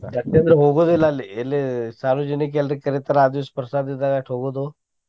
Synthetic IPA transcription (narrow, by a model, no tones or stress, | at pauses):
d̪ɐk̚ẽnd̪ɾəɦoːɡod̪olalelesaːɾud͡ʒɪnek̬elɾekəɾet̪əɾaːd̪ʊspɾəsaːd̪ɪd̪aɡaːʈʰoːɡod̪oː